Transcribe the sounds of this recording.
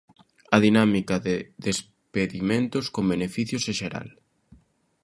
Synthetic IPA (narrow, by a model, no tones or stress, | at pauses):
ɐðinamikaðeðes | peðimẽnt̪ʊskombenefiθjoseʃeɾa̰l